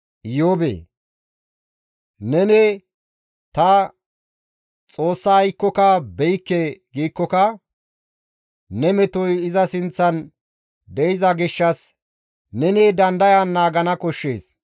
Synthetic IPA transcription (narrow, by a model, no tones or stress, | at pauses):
joːbḛː | nɛnɛ | t̪ɐ | t͡sʼo̞ːsːɐːjkːɔkɐbɛjkːeɡiːkːɔkɐ | nɛmɛt̪ɔjɪzɐsɪnt͡sːɐn | d̪ɛjɪzɐɡɪʃːɐs | nɛneːd̪ɐnd̪ɐjanːaːɡɐnɐkɔʃːḛːs